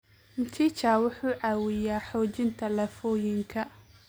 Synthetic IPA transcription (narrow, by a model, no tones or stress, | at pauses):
mt̪ʰit͡ʃaːwʊħuːʕaːwɪjaːħɔːt͡ʃɪnt̪ʰɐlɐfɔːjɪŋkʰɐ